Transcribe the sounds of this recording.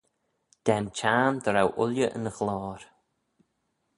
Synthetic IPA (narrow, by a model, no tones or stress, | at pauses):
d̪̥ɛnt͡ʃʰaːmd̪əɾawʔʊljəʔə̰nəxlɔːɾ